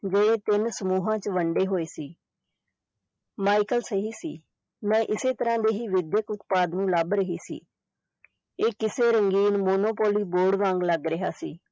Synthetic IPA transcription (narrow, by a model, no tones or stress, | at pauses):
d͡ʒeːɽeːt̪ɪnsəmuːɦãːt͡ʃʋəɳɖeːɦoːeːsiː | maːikəlsəɦiːsḭː | mɛ̃ːʔɪseːt̪əɾãːd̪eːɦiːʋɪd̪jəkʊt̪paːd̪nũːlabɾəɦiːsḭː | eːkɪseːɾəŋɡiːnmoːnoːpoːliːboːɽʋãːŋɡləɡɾɪɦaːsiː